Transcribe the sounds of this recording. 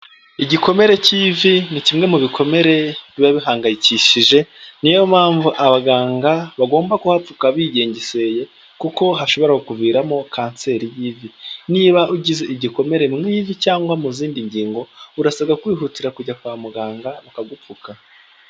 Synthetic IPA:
iɟiko̞me̞ɾe̞civinicimŋe̞muβikʰo̞me̞ɾe̞βiβaβiɦaːŋɡajiciʃiʒe̞nijomaːɱvuʔaβaɡaːŋɡaβaɡo̞ːmbakuhap͡fukaβiːɟe̞ːɲɟese̞je̞ | kuko̞ɦaʃo̞βo̞ɾahokuviːɾamo̞kʰaːnse̞ɾijiːviniːβaʔuɟize̞ʔiɟiko̞me̞ɾemŋivicaːŋɡwamuziːndiɲɟiːŋɡo̞uɾasaɡakwiːɦutiɾakuɟakwaːmuɡaːŋɡaβukaɡup͡fuka

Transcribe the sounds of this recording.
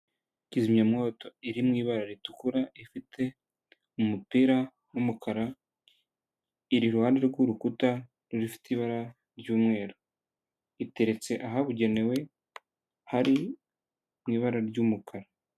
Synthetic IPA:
cizimɲamŋoːto̞iɾimŋiːβaɾaɾitukuɾaifitʰe̞ | umupiɾa | umukʰaɾa | iɾiɾuhaːnde̞ɾɡuɾukuta | ɾuɾifi̥tiβaɾa | ɾɟuːmŋe̞ːɾo | ite̞ɾe̞t͡se̞ʔaɦaβuɟe̞ne̞we̞ | haɾi | mŋiːβaɾaɾɟumukʰaɾa

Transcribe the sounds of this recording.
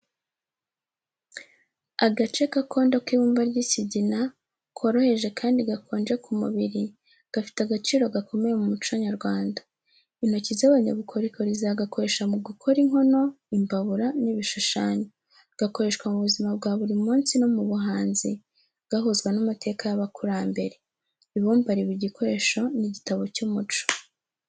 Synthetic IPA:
aɡat͡ʃe̞kako̞ːndokiβuːmbaɾɟisiɟina | kʰo̞ɾo̞he̞ʒe̞kʰaːndiɡakʰo̞ːnd͡ʒe̞kumṵβiɾi | ɡ̥afi̥taɡat͡ʃiːɾo̞ɡakʰo̞me̞jemumut͡ʃaɲaɾɡwaːnda | in̥ho̞cizaβaɲa̰βukʰoɾikoɾizaɡako̞ɾe̞ːʃamuɡukʰoɾiŋho̞no̞ | imbaβuɾaniβiʃuʃaːɲo | ɡ̥ako̞ɾe̞ːʃkwamuβuzimab̚ɡaːβuɾimuːnsino̞muβuɦaːnzi | ɡ̥aɦuzɡwenumatʰe̞ːkajaβakʰuɾaːmbe̞ɾe̞ | iβuːmbaɾiβiɟikʰo̞ɾe̞ʃo̞niɟitaβo̞cuːmut͡ʃo̥

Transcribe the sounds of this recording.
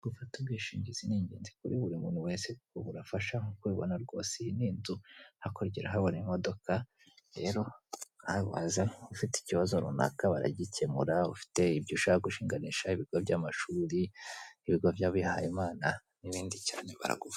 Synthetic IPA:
ɡ̥ufatubɡiːʃiːɲɟiziniːɲɟeːnzikuɾiβuɾimṵːnhuweːnsekoβuɾafaʃaokweːβo̰naɾɡo̞̰ːseniːnzuhako̞ɾɟiɾaɦaβonemo̞do̞ka | ɾe̞̰ɾo̞hawa̰zaufiti̥ciβazoɾṵna̰kaβa̰ɾa̰ɟicemuɾaufi̥te̞ibɟuʃahaɡuʃiːŋɡaniʃaiβiɡ̥obɟamaʃuːɾiiβiɡovjaβihajimaːna | niβiːndicaːne̞βa̰ɾa̰ɡufa

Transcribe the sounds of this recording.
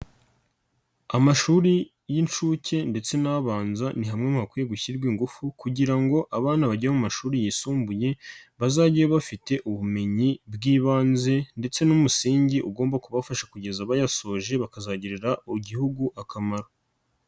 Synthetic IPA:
amaʃuːɾi | jint͡ʃuce̞nde̞t͡se̞naβaːnzaniɦamŋemuhakuːje̞ɡuçiɾɡwiːŋɡufukuɟiɾaŋɡo̞ʔaβaːnaβaɟamumaʃuːɾijisuːmbuje̞βazaɟijoβafite̞ʔuβume̞ɲibɡiːβaːnze̞nde̞t͡se̞numusiːɲɟiʔuɡo̞ːmbakuβafaʃakuɟe̞zaβajaso̞ːʒe̞βakazaɟiɾeɾaʔuɟihuɡuʔakamaɾo

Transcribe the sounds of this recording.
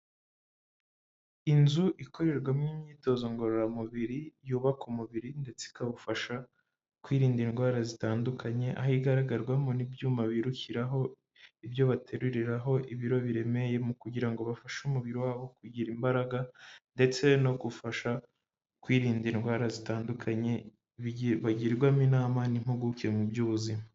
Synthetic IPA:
inzuʔiko̞ɾe̞ɾɡwamŋimɲiːto̞zo̞ŋɡo̞ɾoɾamuβiɾijuːβakumuβiɾinde̞t͡se̥kaβufaʃa | kwiːɾiːndinɡwaːɾazitaːndukʰaɲe̞ʔa̰hiɡaɾaɡaɾɡwamonibjuːmaβiːɾuçiɾaɦo̞ | iβjo̞βatʰe̞ɾuɾiɾaɦo̞ʔiβiɾo̞βiɾe̞me̞je̞mukuɟiɾaŋɡo̞βafaʃumuβiɾiwaːβo̞kuɟiɾimbaɾaɡande̞t͡se̞no̞ɡufaʃa | kwiːɾiːndinɡwaːɾazitaːndukʰaɲe̞ | βaɟiɾɾɡwaminaːmanimhuɡukiemubjuːβuzima

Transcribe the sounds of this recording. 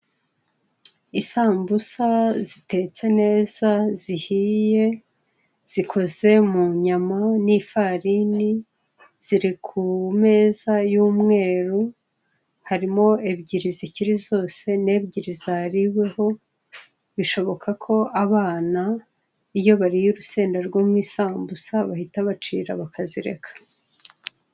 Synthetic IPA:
isaːmbusazite̞t͡se̞ne̞ːzazihije̞ | z̥ikʰo̞ze̞muɲamanifaɾini | z̥iɾikʰume̞ːzajuːmŋe̞ːɾu | haɾimo̞ebɟiɾiziciɾizo̞ːse̞ne̞ːbɟiɾizahɾiwe̞ho̞ | βiʃo̞βo̞kʰakʰo̞aβaːna | ijo̞βaɾijuɾuse̞ːndaɾɡwoːmwiːsaːmbusaβahitaβat͡ʃḭːɾa̰βakʰaziɾe̞̰kʰḁ

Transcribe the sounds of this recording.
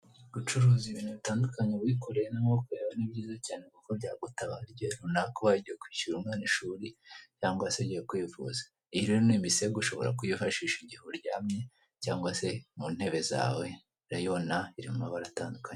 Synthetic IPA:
ɡut͡ʃuɾuːziβiːnhuβitaːndukaɲeβwiːkoɾejenaokuɾeːβanibɟiːzacaːne̞kukobɟaːɡutaβaɾɟeɾunakoβaɟijekwiːuɾumŋeːniʃuːɾicaːŋɡwaseɟejekwiːfṵzḁ | iɾiɾoniːmbiseɡuʃo̞̰βo̞̰ɾa̰kujifaʃiːʃiɟihoɾɟaːmɲe̞ | caːŋɡwase̞mun̥he̞βe̞za̰ːwe̞ | ɾajonaiɾimumaβaɾataːndukaɲe

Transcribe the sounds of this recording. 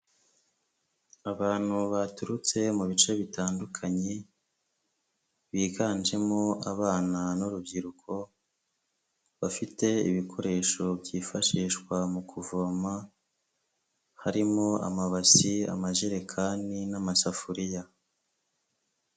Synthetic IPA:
aβaːn̥huβatuɾut͡se̞muβit͡ʃe̞βitaːndukʰaɲe̞ | βiːɡaːnd͡ʒe̞mo̞aβaːnanuɾub̚ɟiɾukʰo̞ | βafite̞ḭβikʰo̞ɾe̞ːʃo̞bɟiːfaʃiːʃkwamukʰuvoma | haɾimo̞a̰maβasia̰maʒiɾe̞kʰaninamasafuɾija

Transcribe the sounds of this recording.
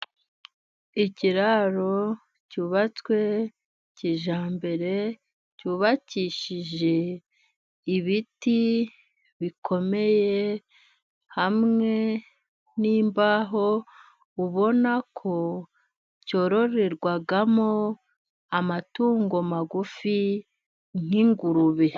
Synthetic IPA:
iciɾaɾo̞ | cuːβat͡swe̞ | ciʒaːmbe̞ɾe̞ | cuːβaciːʃiʒe̞ | iβiti | βikʰo̞me̞je | hamŋe̞ | niːmbaɦo̞ | uβo̞nakʰo̞ | co̞ɾo̞ɾeɾɡwaɡamo | amatuːŋɡo̞maɡufi | ŋ̥iŋɡuɾuβe

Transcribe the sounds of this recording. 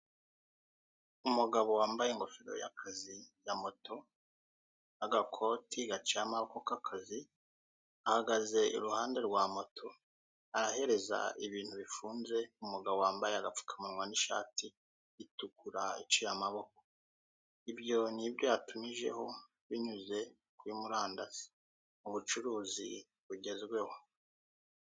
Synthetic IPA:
umuɡaβo̞waːmbaje̞ŋɡo̞fiɾo̰ja̰kʰazijamo̞tʰo̞ | aɡakʰo̞tʰiɡat͡ʃijamaβo̞ko̞kakʰazi | ahaɡaze̞ʔḭɾuhaːnde̞ɾɡwaːmo̞tʰo̞ | aɾahe̞ɾe̞za̰iβiːnhuβifuːnze̞umuɡaβowaːmbajeaɡap͡fu̥kʰamanŋwaniʃa̰ːti | itukuɾaḭt͡ʃijamaβo̞ko | ibjo̞nibjojatumiʒe̞̰ho̞ | βiɲuze̞ | kuimuɾaːndaz̥i̥ | uβut͡ʃuɾuːzḭ | βuɟe̞zɡwe̞ho

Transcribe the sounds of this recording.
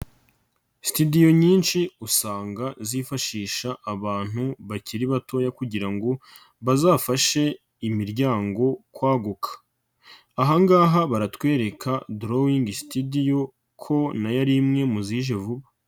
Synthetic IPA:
si̥tidijo̞ɲiːnʃiusaːŋɡazifaʃiːʃaʔːβaːn̥huβaciɾiβato̞ːjakuɟiɾaŋɡo̞ | βazaːfaʃe̞ | imiɾɟaːŋɡo̞kwaːɡukʰḁː | ɦaŋɡaːɦaβaɾatwe̞ːɾe̞kʰadɾowiŋɡisi̥tidijo̞ | kʰo̞najaɾimŋe̞muziːʒe̞vuβḁ

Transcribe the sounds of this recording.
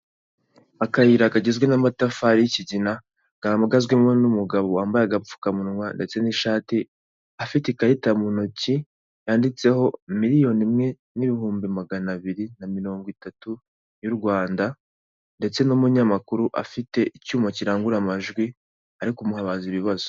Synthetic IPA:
akajiɾakaɟezɡwe̞namatafaɾijiciɟina | ɡ̥amaɡazɡwemonumuɡaβowaːmbajaɡap͡fu̥kamunŋwande̞t͡se̞niʃaːti | afitekaitamunoci | jaːndit͡se̞ho̞miɾijo̞nimŋe̞ | niβihuːmbimaɡanaβiɾinamiɾo̞ːŋɡwitatu | juɾɡwaːnda | nde̞t͡se̞numuɲamakuɾuʔa̰fite̞ʔicuːmociɾaːŋɡuɾamaʒɡwi | aɾikumuhaβaziβiβazo̥

